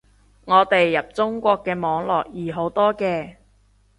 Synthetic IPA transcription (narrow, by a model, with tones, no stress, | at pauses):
ŋɔː˨˧t̪e˨jːɐ˨p̚t͡sʊ˥ŋkʷɔː˧kːɛː˧mɔː˨˧ŋlɔː˨˩k̚jiː˨˩ɦo˨˥wt̪ɔː˥kɛː˧